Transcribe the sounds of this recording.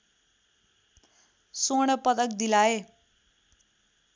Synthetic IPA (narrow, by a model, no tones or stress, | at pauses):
soɽ̃ʌpʌt̪ʌk̚d̪ilae